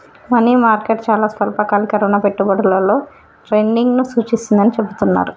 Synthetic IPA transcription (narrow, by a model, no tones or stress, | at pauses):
mɐniːmaːɾkeʈt͡ʃaːlaːspɐlpɐkaːlikɐɾɔːnaːpe̞ʈːubɐɽɐlɐlo̞ː | ʈɾejnɖiŋɡnusuːt͡ʃisind̪ɐnit͡ʃe̞but̪unːa̰ːɾu